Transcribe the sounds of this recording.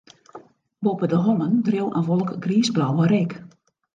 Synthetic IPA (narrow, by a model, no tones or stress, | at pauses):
bopədəɦɔnəndriwʔə̰nʋɔlˠəkɡriːsblɔwəɾɪk